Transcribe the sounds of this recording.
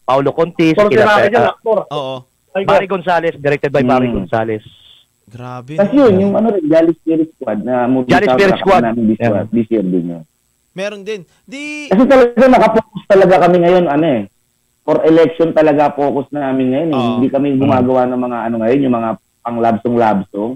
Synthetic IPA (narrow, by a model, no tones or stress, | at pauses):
pawlokont̪iskɪɛaːɪd͡ʒaɐk̚t̪oɾ | ɐjpaɾiɡonsaːlɛsd̪ɛɾɛk̚t̪ɛd̪̚bajpaːɾiɡonsaːlɛs | ɡɾabt̪ɐsjʊnjʊŋʔɐnoɾɪnɡaːlɪspiɾɪskwad̪̚nɐmʊd͡ʒaːlɪspiɾɪsɐkwanaːmɪnb̪ɪswa̰d̪̚d̪ɪsɛɾb̪ɪɲo̰ | mɛɾod̪ɛ | kɐsɛt̪ɐlɐɡaŋnɐkɐpoːkost̪ɐlɐɡakɐmɛŋɐjo̞nɐnoɛ | poɾʔɛlɛk̚ʃont̪ɐlɐɡapo̞ːkosnaːmɪnŋɐjo̞nɛhɪnd̪ikɐmɪŋɡʊmaːɡɐwanɐŋmɐŋaʔɐnoŋɐjo̞njʊŋmɐŋa | pɐŋlaːbsoŋlaːbsoŋ